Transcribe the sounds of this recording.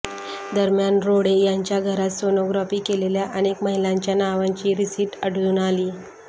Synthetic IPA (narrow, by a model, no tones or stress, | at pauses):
d̪əɾmjanɾoɽejaɲt͡ɕjaɡʱəɾat̪sonoɡɾafiːkeleljaʔənekməɦilaɲt͡ɕjanaʋaɲt͡ɕiːɾisiːʈəɽluːnaliː